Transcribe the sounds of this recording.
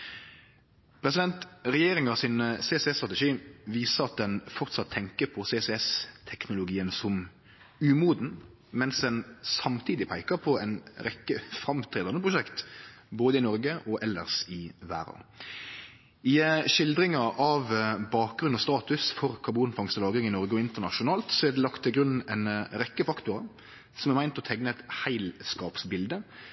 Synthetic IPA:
pʰɾɛs̬ɪd̪ɛnt̪ʁɛjeːɾɪŋɑsɪnsesɛst̪ʁɑt̪ɛʂiːʋiːsəɾɑt̪̚d̪ɛnfɔʁt̪sɑt̪ʰːɛŋkəpʰɔsesɛɛst̪ʰɛknʊlʊɡiːənsɔm | ʉːmuːd̪n̩ | mɛnsd̪ɛnsɑmt̪ʰiːd̪ɪpʰæɪkəpʰɔɛnɾɛkːəfɾɑmt̪ʰɾeːd̪ɑnəpʰʁʊʃɛkt̪boːd̪əɪnɔɾɡəʔɔʔɛlːə̰ʁsɪʋæ̰ːɾɑ̰ | ɪʃɪld̪ɾɪŋɑɑʋbɑːk̚ɡɾʉnːɔst̪ɑːt̪ʉsfɔɾkʰɑɾbuːnfɑŋst̪əlɑːɡɪŋɪnɔɾɡəɔɪnt̪əʁnɑʃʊnɑːlt̪sɔæd̪ɛlɑkt̪ʰːɪlɡɾʉnːɛɪnɾɛkːəfɑkt̪ʊɾɑ | sɔmæʁmæɪnt̪ɔt̪ʰɛɡnəɛt̪hæɪlskɑːpsbɪld̪ə

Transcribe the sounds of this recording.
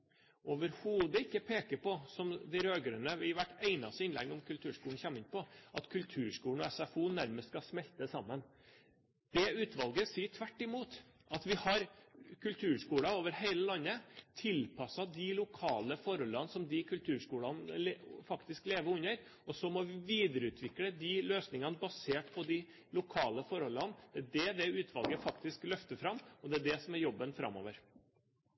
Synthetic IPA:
oːʋəɾhuːd̪əɪkːəpʰeːkəɾpɔsɔmd̪ɪɾøːɡɾʉnəʋɪʋæʈːeɪnɑsəɪnlɛ̰ŋːʊmkʰʉlt̪ʰʉːɾʂkuːɳ̩çɛmːɪnpɔʔɑt̪kʰʉlt̪ʰʉːɾʂkuːɳ̩ɔɛsɛfuːnæɾməst̪skɑsmɛlt̪əsɑmːən | d̪̥ɛʉːt̪ʋɑlɡəsiːʈʰʋæʈːɪmuːt̪ | ʔɑt̪ʋɪhɑɾkʰʉlt̪ʰʉːɾʂkuːlɑoːʋəɾheɪləlɑnːət̪ʰɪlpʰɑsɑd̪ɪlʊkʰɑːləfɔɾɔlːɑnsɔmd̪ɪkʰʉlt̪ʰʉːɾʂkuːlɑnlfɑkt̪ɪskleːʋəɾʉnəɾɔsɔmɔʋɪʋiːd̪əɾəʉːt̪ʰʋɪkːɽəd̪ɪløːsnɪŋɑnəbɑseːʈpʰɔd̪ɪ | lʊkʰɑːləfɔɾhɔlːɑnd̪̥ɛæɖɛd̪ɛʉːt̪ʰʋɑ̰lɡəfɑkt̪ɪsklœft̪əfɾɑmːɔd̪ɛæɖɛsɔmæɾjɔbːənfɾɑ̰mo̰ːʋəɾ

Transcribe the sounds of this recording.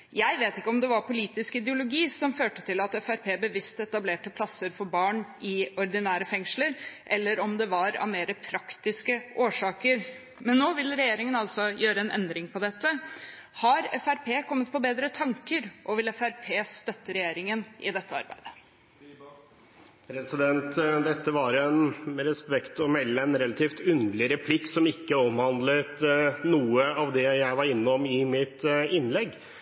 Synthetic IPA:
jæɪʋeːt̪ɪkːəɔmd̪ɛʋɑɾpʰʊliːt̪ɪskɪd̪ɛʊlʊɡiːsɔmføːʈət̪ʰɪlɑt̪ɛfæɾpʰeːbəʋɪst̪ɛt̪ɑbleːʈəpʰlɑsːəɾfɔɾbɑːɳɪɔɾd̪ɪnæːɾəfɛŋʂləɾʔɛlːəɾɔmd̪ɛʋɑɾɑ̰ʋmeːɾəpʰɾɑkt̪ɪskəʔoːʂɑːkəɾ | mɛnːoːʋɪlːɾɛjeːɾɪŋənɑlsɔjøːɾəɛnɛ̰nd̪ɾɪŋpʰɔd̪ɛt̪ːə | hɑɾɛfæɾpʰeːkʰɔmːət̪̚pʰɔbeːd̪ɾət̪ʰɑŋkəɾʔɔʋɪlɛfæɾpʰeːst̪œt̪ːəɾɛjeːɾɪŋənʔɪ̰d̪ɛt̪ːəɑ̰ɾbæ̰ɪd̪ə | pɾɛsɪd̪ɛnt̪d̪ɛt̪ːəʋɑɾɛnɾɛspɛkt̪ɔmɛlːəɛnɾɛlɑt̪ʰiːft̪ʉnd̪lɪɾɛpʰlɪkːsɔmɪkːəɔmhɑnd̪lət̪nuːəɑʋd̪ɛjæɪʋɑɾɪnːəɔmɪmɪt̪ɪnːlɛɡː

